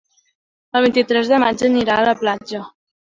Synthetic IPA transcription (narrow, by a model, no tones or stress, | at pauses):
əlˠβ̞int̪it̪ɾɛzðəmad͡ʒəniɾaələplad͡ʒə